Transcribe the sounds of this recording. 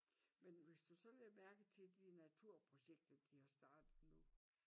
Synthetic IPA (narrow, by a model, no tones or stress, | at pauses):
menʋe̝sd̥usɒ̽leɐmæɐɡ̥ət͡sʰe̝ld̥inæt͡sʰuɐ̰pʰʁo̝ɕeɡ̥̚d̥ɐd̥ihɑ̈sd̥ɑ̈ːd̥ð̩ˠnu